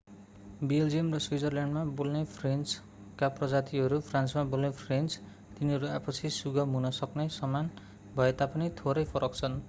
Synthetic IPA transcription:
beld͡zijʌmrʌswid͡zʌrljaɳɖmabolnepʰrent͡s | kaprʌd͡zat̪iɦʌɾupʰransmabolnepʰrent͡s | t̪inɦʌɾuapʌt͡sʰisuɡʌmɦunʌsʌknesʌman | bʱʌet̪apʌnit̪ʰoɾʌjpʰʌɾʌk̚t͡sʰʌn

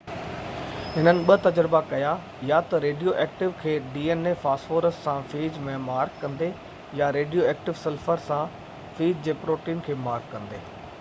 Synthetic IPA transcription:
ɦɪnənɪ̆ɓɐt̪ɐd͡ʑɾɪbakɐja | jat̪ɐɾeːɖijoʔɛːk̚ʈɪʋkʰeːɖiːeːnefaːsfoːɾəsːãfiːd͡ʑmẽmaːɾkːɐ̃nd̪e | jaɾeːɖijoɛːk̚ʈɪʋsɛlfəɾsã | fiːd͡ʑd͡ʑeːpɾoːʈiːnkʰeːmaːɾkːɐ̃nd̪eː

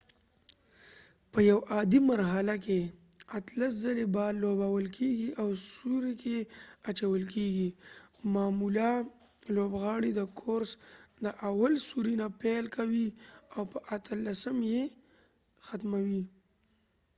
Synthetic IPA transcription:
pəjawʔɑd̪imaɾɦalakeat̪laszalebɑlːobawəlkʰeɡiʔawsuɾekʰeat͡ʃawəlkeɡimɑmula | lobɣɑɽid̪əkʰoɾsd̪əʔawalsuɾinapelkawiawpəʔat̪ʰəlːasəmje | xat̪mawi

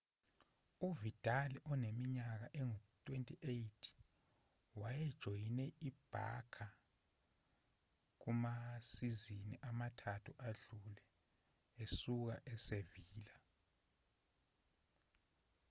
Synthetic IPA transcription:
uvitʼaliʔɔnemiɲak̬aʔɛŋutʼwentʼiʔejitʰi̥ | wajɛd̥ʒ̥ʱojinɛʔib̥ʱa̰kʰa | k̬umasiziniʔamatʰatʰuʔaɮulɛ | esuk̬a̰ʔɛseviːla

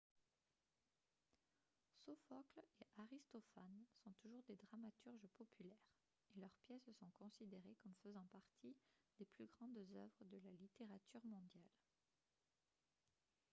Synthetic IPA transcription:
sɔfɔkleʔaʁist̪ɔfansɔ̃t̪uʒuʁd̪ed̪ʁamat̪yʁʒəpɔpʰylɛːʁ | elœʁpjɛssɔ̃kɔ̃sid̪eʁekɔmfəzɑ̃paʁt̪ʰid̪̥eplyɡʁɑ̃d̪zœ̰vʁəd̪əlalit̪eʁat̪yʁmɔ̃d̪jal

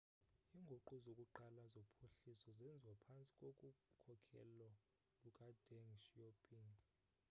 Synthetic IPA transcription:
iŋɡʱoǃuzokʼuǃalazopʰoɬisɔzɛnd͡zʱwapʰant͡sʼi̥kʼokʼukʰɔkʰɛ̰lɔ | lukʼadʱɛŋʃjopʰʼiŋ

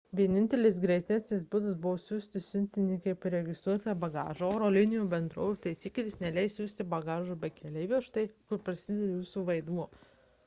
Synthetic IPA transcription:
ʋʲiɛnʲɪnʲt̪ʲɛlʲɪs̬ɡɾʲɛɪt̪ʲæsʲnʲɪsbʊd̪ɐsbʊʋoːsʲuːsʲt̪ʲɪsʲʊnʲt̪ʲɪnʲɪkɐɪpɾʲɛɡʲɪst̪ɾuɔt̪ɐbɐɡɑ̰ːʒɐoːɾoːlʲɪnʲɪjuːbʲɛnd̪ɾoːjut̪ɐɪsʲiːklʲɪsnʲɛlʲɛɪsʲuːsʲt̪ʲɪbɐɡɑːʒuːbʲɛt̪kʲʰɛlʲɛɪʋʲiɛʃt̪ɐɪkʊɾpɾɐsʲɪd̪ʲɛd̪ʲjuːsuːʋɐɪd̪muɔ

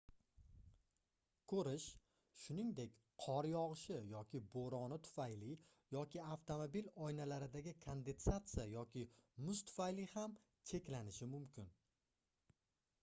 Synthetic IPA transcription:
kʰɵɾɪʃ | ʃʊnɪŋd̪e̞kʲ | qʰɒɾjɒʁɨʃɪjɒkʲʰɪboɾɒnɪt̪ʰʊ̥fajlɪ | jɒkʲʰɪaft̪ʰo̞mobilɒjnalaɾɪd̪aɡʲɪkʰond̪e̞nsat̪sɨjajɒkʲʰɪmʊst̪ʰʊ̥fajliham | t͡ʃʰe̞kʲlanɪʃɪmʊmkʲɪn

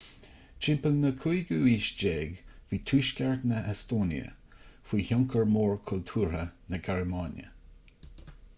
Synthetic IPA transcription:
t͡ʃɪmpəlnəkʰujɡuiːʃd͡ʒeːɡviːtʰuːʃkaɹtnəɛst̪oːnḭə̰fiːçʊŋkʰəɹmoːɹkʰʊlt̪ʰuːɹənəɡaɹəmɑːnjə̰

